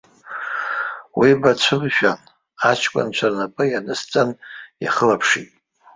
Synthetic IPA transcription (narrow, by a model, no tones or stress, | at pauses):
wibat͡ʃʷʰɨmʃᶣan | at͡ʃʰkʷʼa̰nt͡ʃʷʰarnapʼɨjanɨst͡sʼanja̰χəlapʰʂitʼ